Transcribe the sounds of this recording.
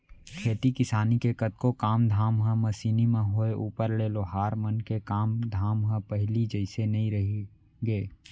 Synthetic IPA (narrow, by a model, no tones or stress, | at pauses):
kʰeːt̪ikɪsaːnikekət̪̚kokaːmd̪ʱaːmɦə̃mɐsiːnimẽɦoeʔuːpəɾleːloɦaːɾmənkekaːmd̪ʱaːmɦə̃pəɦlid͡ʒəɪsenɐɦĩɾəɦi | ɡeː